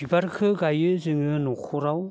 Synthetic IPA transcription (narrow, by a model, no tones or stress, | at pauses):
ibaɾkʰɯɡajɯzɯŋɯnɔkʰɔɾaw